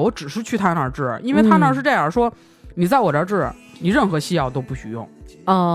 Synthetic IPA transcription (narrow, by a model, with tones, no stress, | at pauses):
wɔ˧˥ʈ͡ʂɻ̩˨˩ʂɻ̩˥˧t͡ɕʰy˥˩t̪ʰa˥nnə˞˧˥ʈ͡ʂɻ̩̰˥˩˧i˥nwt̪ʰa˥nə˞˧˥ʂɻ̩˥˧ʈ͡ʂɤ˥˧jə˞˨˧˩ʂwɔ˥ | ni˨˩t͡sa˥˩ɪwɔ˨˩ə˞˥˧ʈ͡ʂɻ̩̰˥˩˨ | ni˨˩ɻə˥˩nxɤ˧˥ɕi˥jɑ˥˩ʊt̪̬o˥ʊpu˥˩ɕy̰˧˩jʊ̰˥˩ŋɔ˥˩